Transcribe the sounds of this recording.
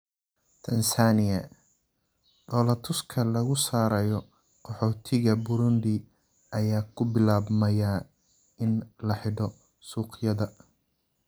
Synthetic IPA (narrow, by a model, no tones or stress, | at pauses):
t̪ʰɐnsaːnɪɐ | ɖɔːlɐt̪ʰʊskʰɐlɐɣʊsaːɾɐjɔ | qʰɔħɔːt̪ʰɪɣɐbʊɾʊnd̪ɪ | ʔɐjaːkʰʊbɪlaːβmɐjaː | ɪnlɐħɪɖɔ | suːqjɐðɐ